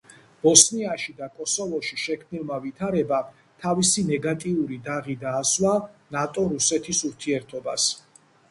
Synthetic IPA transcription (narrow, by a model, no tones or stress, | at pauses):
b̥ɔsniaʃid̪akʼɔsɔvɔʃiʃɛkʰmnilˠmavit̪ʰaɾɛba | t̪ʰavisinɛɡat̪ʼiuɾid̪aʁid̪aːswanat̪ʼɔɾusɛt̪ʰisuɾt̪ʰiɛɾt̪ʰɔbas